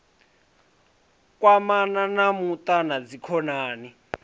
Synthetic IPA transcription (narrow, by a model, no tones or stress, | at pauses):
k̬ʼwamananamutʼanad͡zikʰɔnaːni